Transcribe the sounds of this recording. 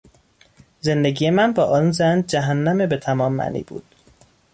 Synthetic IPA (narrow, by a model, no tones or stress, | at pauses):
ze̞nd̪eɡijemænbɒːʔɒːnzænd͡ʒæɦænːæmebet̪ʰæmɒːmːæ̰nḭːbṵːd̪̥